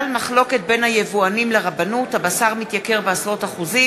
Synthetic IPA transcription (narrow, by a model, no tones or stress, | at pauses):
lmaχlo̞ke̞t̪̚be̞nhajevuanimleʁabanuthabasaʁmit̪jake̞ʁbeasʁo̞taχuzi